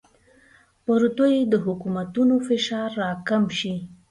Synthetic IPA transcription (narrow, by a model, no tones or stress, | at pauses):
pəɾut̪ojed̪əɦʊkumat̪unofɪʃɑɾːɑkamʃi